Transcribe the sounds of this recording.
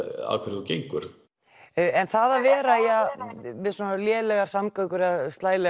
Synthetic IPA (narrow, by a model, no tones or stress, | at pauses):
a̰ðkʰvɛɾcejŋkʏɾ̥ | ɛnθaðavɛːɾaiamɪðsɔnaljɛːlɛɣaɾ̥samkœkʏɾɪðast̪laːjlɛ